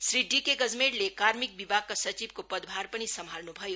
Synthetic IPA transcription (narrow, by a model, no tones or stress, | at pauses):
sɾiɖikeɡəd͡zmẽʈlekaɾmik̚bibaɡ̚kasʌt͡ʃibkopəd̪bʱaɾpəɽ̃isəmʱalnubʱʌjo